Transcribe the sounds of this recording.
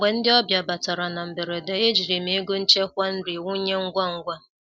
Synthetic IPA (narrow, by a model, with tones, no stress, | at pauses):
ɡ͡bʷe˨n̩˦dɪ˦ɔ˦bja˨ba˨ta˨ɾa˨na˨m̩˨be˨ɾe˨de˨e˦d͡ʒi˨ɾi˨m̩e˦ɡo˦n̩˦t͡ʃe˦kʷa˦n̩˦ɾi˨wu˦ɲe˦ŋ̩˦ɡʷa˦ŋ̩˦ɡʷa˦